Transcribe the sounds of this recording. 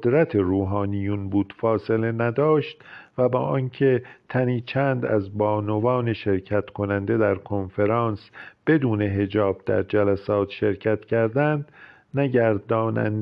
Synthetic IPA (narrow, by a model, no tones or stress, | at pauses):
d̪ɾæt̪ʰeɾuːɦɒːnijunbuːd̪̥fɒːse̞le̞næd̪ɒːʃt̪væbɒːʔɒːncʰet̪ʰæniːt͡ʃʰænd̪æ̰zbɒːnovɒːne̞ʃe̞ɾcʰæt̪kʰo̞nænd̪e̞d̪æɾkʰo̞nfeɾɑːnsb̥e̞d̪uːne̞ɦe̞d͡ʒɒːb̥̚d̪̥æ̰ɾd͡ʒælæsɒːt̪ʰʃe̞ɾkcʰæt̪cʰæɾd̪ænd̪ | næɟæɾd̪ɒːnæ̰n